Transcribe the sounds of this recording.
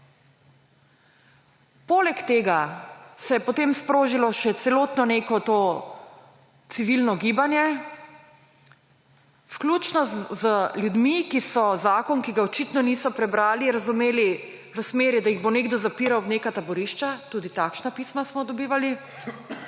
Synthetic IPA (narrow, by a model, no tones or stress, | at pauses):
poːlɛkt̪eːɡasɛjɛpɔt̪emspɾoːʒilɔʃɛt̪sɛloːt̪nɔneːkɔt̪oː | t̪siʋilnɔɡiːbanjɛ | fklʲut͡ʃnɔzəljud̪mikisɔzaːkɔnkiɡaɔt͡ʃit̪nɔnisɔpɾɛbɾaːliɾazumeːli | ʋəsmeːɾid̪ajiɣboneɡd̪ɔzapiɾawnekat̪abɔɾiʃt͡ʃat̪uːd̪it̪akʃnapismasmɔd̪ɔbiːʋali